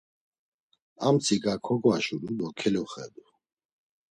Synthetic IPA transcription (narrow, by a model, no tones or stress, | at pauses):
amt̪t͡sʰikʼakʰɔkʼwaʃulud̪ɔkʰɛlɔχɛ̰d̪u